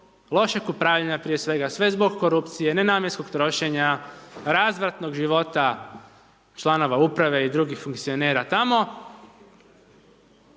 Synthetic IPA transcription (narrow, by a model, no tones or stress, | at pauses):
lˠo̞ʃekupɾaʋʎeɲapɾije̞sʋe̞ɡasʋe̞zbo̞ɡko̞ɾupt̪sijene̞naːmjeskokt̪ɾo̞ʃe̞ɲaɾazʋɾat̪no̞ɡʒiʋo̞t̪a | t͡ʃlˠano̞ʋaupɾaʋe̞id̪ɾuɡixfuŋkt̪sijo̞ne̞ːɾat̪amo̞